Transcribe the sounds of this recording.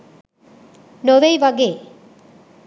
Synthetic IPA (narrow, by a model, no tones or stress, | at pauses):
noʋejʋaɡe